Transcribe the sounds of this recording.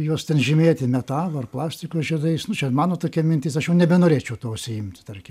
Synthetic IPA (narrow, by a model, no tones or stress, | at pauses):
juɔst̪ʲɛnʒʲɪmʲeːt̪ʲɪmʲɛt̪ɑːlˠoɐrplˠɑːsʲt̪ʲɪkoːsʒʲid̪ɐɪsnʊt͡ʃʲɛmɑːnoːt̪oːkʲiɛmʲɪnʲt̪ʲɪsɐʃjɛʊnʲɛbʲɛnoːɾʲeːt͡ʃʲɛʊt̪oːʃsʲɪɪmʲt̪ʲt̪ɐrʲkʲɪ